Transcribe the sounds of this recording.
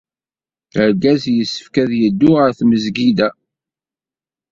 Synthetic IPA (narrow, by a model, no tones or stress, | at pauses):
əɾɡæzjəsːə̥fkæðjəd̪ːʊəɾθməzɡid̪æ